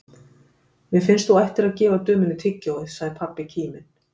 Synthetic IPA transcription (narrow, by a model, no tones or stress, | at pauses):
vɪðfɪnst̪θuajht̪ɪɾaðcɛːvaðt̪œːmʏnːʏt̪ʰɪcːawðɪðsaɣðɪɾpʰapːɪcʰiːmɪn̥